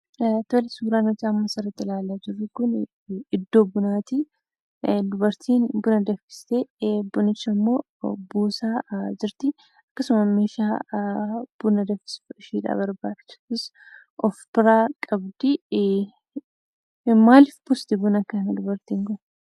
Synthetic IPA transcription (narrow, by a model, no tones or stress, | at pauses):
t̪ɔlɪsuːɾaːnɔd͡ʒaːmːɐsɐɾɐt̪ːɪlaːlːaːd͡ʒɪrːɪkʊn | ɪd̪ːo̞ːbʊnaːt̪ɪ | d̪ʊbɐɾt̪ʰiːnbʊnɐd̪ɐfɪ̥st̪ebʊnɪt͡ʃːɐmːo̞ː | buːsaːd͡ʒɪɾt̪ɪ | ɐkːɐsʊmɐmeːʃaː | b̥ʊnɐd̪ɐfɪ̥sʃiːᶑa̰ːbɐɾbaːdɪ̥t͡ʃːɐ̥bɪs | ʔɔfbɪɾaːkʼɐbd̪ɪ | maːlɪfbʊst̪ɪbʊnɐkːɐnɐd̪ʊbɐɾt̪iːŋɡɔn